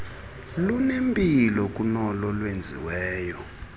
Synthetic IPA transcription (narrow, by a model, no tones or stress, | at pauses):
lunembʱʼilɔk̬ʼunɔlɔlwend͡zʱḭwɛːjɔ